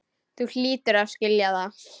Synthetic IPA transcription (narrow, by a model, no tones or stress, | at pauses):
θul̥iːt̪ʏɾavscɪljaða